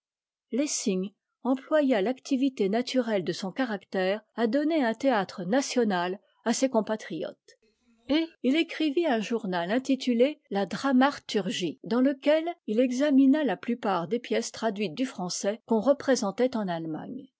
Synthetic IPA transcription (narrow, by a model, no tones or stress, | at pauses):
lesiɲ | ɑ̃plwajalakt̪ivit̪enat̪ʰyʁɛld̪əsɔ̃kaʁakt̪ɛːʁad̪ɔneɛ̃t̪eat̪χənasjɔnal | asekɔ̃pat̪χijɔ̰t̪ | eilekχiviɛ̃ʒuʁnalɛ̃t̪it̪ʰylelad̪ʁamaʁt̪yʁʒid̪ɑ̃ləkʲɛlilɛɡzaminalaplypaʁd̪epjɛst̪χad̪ɥit̪̚d̪yfχɑ̃sɛkɔ̃ʁəpχezɑ̃t̪ɛt̪ɑ̃nalma̰ɲ